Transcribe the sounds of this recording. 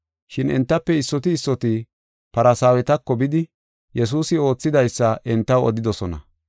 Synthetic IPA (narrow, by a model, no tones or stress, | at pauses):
ʃɪnɛ̰nt̪ːɐpːɛɪsːɔt̪ɪːsːɔt̪ɪ | pɐɾɐsaːwɛt̪ɐkːɔbɪd̪ɪ | jɛs̬uːsɪo̞ːt͡sːɪd̪ɐjsːɐʔɛnt̪ːɐwɔ̰d̪ɪd̪ɔsɔnɐ̰